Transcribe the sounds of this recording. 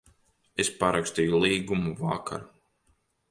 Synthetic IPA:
espaɾakst̪iːjulˠiːɡumuvakʰa̰ɾ

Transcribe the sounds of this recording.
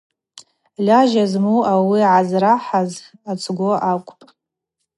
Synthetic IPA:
lʲaʒazmuawiʕazraħazat͡sʼʰɡʷoʔakʷʼpʼ

